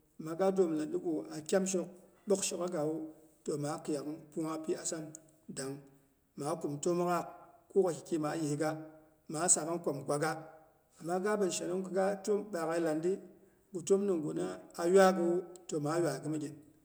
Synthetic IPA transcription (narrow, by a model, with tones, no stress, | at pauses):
ma˨ɡa˦do˦m˨la˨ndi˦ɡu˨a˨kʲa˦mʃ̬i˦k | ɗo˦kʃi˦ka˦ɡa˨wu˦to˨ma˨˦ki˨ja˨kpu˦ŋa˦pi˦a˨sa˦n | da˨ŋ | ma˨˦ku˨mto˦m˦ka˦˨k̚ku˦ka˨kʲi̥˨kʲi˦ma˨˦ji˨hi˨˦ɡa˦ | ma˨˦sa˨ka˦nkʷo˨mɡʷa˨ɡa˦ | a˨mːa˦ɡa˦bə˨n˨ʃa˨no˦ŋkə˦ɡa˦to˦mɓa˨ɣa˨˦la˨ndi˦ | ɡu˨to˦mni˨ŋɡu˨na˦a˨ja˦ɡɨ˨wu˦to˨ma˨˦jwa˨ɡɨ˦mi˦ɡʲe˨n